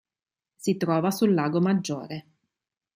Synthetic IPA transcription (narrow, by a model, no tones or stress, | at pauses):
sit̪ɾɔːvasulːaːɡomad͡ʒːo̰ːɾe